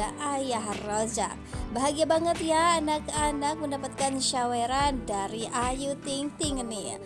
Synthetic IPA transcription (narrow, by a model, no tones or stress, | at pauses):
aʔajaɦrɔd͡ʒa̰baɦaɡiabaŋət̪jaːnakanak̚məndapat̪̚kanʃaweɾandaɾiʔajut̪ɪŋt̪ɪŋnɪ